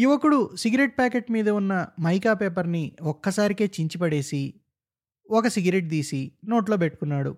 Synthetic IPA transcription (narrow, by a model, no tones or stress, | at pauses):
juʋɐkuɽusiɡɐɾeʈ̚paːkeʈmiːd̪ɐunːɐmɐjkaːpeːpɐɾniɔkːɐsaːɾike̞ːt͡ʃiɲt͡ʃipɐɽe̞ːsi | ɔkɐsiɡɐɾeʈ̚d̪iːsino̞ːʈlo̞ːpeʈːukunːaːɽṵ